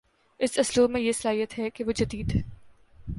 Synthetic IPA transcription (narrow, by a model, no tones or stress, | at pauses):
ɪsɐslomẽjesɐlaːɦijət̪ɦɛkeʋod͡ʒɐd̪iːd̪ɦɛː